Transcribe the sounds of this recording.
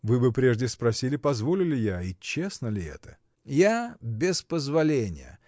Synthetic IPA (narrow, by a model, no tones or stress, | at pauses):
vɨbɨpɾʲe̞ʐdʲɪspɾɐsʲilʲɪpɐzvolʲɪlʲɪjait͡ɕe̞snəlʲɪɛ̰t̪ə̥ | jabʲɪspəzvɐlʲenʲɪ̰jə̰